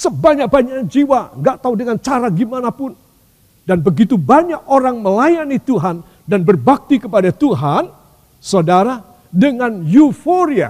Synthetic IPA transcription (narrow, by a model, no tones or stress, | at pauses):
səbaɲak̚baɲakd͡ʒiwaŋɡaʔt̪audəŋant͡ʃaɾaɡimanapʊn | danbəɡit̪ubaɲak̚oɾaŋməlajanit̪uɦan | danbərbak̚t̪ikəpadat̪uɦan | sodaɾa | dəŋanjufoɾia̰